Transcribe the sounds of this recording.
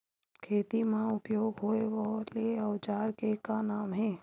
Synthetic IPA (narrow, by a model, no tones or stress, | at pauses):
kʰeːt̪imãʊpjoːɡɦoːeʋɔlieɔʊt͡ʃaːɾkekanaːmɦɛ̃ː